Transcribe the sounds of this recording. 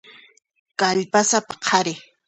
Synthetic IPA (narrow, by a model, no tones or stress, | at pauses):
kaʎpasapḁqʰaɾɪ